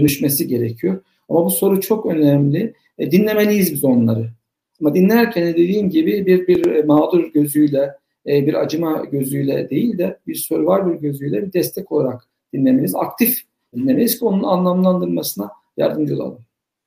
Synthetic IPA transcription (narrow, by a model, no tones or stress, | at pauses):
ønyʃmesiɟe̞ɾecʰijo̞ɾ | amabuso̞ɾut͡ʃʰo̞kø̞nɛmlʲi | d̪inlʲe̞me̞lʲijizbizo̞nlˠaɾɯ | amad̪inlʲæɾcʰɛnɛd̪e̞d̪iːmɟibibiɾbiɾmaːd̪uɾɟø̞zyjlʲɛ | biɾa̰d͡ʒɯmaɟø̞zyjlʲɛ̰d̪e̞jilʲd̪ɛbiɾso̞ɾvaɾbiɾɟø̞zyjlʲɛbiɾd̪ɛst̪ʰɛco̞lˠaɾak | d̪̥inlʲemeniza̰kt̪ʰif | d̪inlʲe̞melʲiz̥cʰio̞nunanlˠamlˠand̪ɯɾmasɯna | ja̰ɾd̪ɯmd͡ʒɯlˠa̰lˠɯm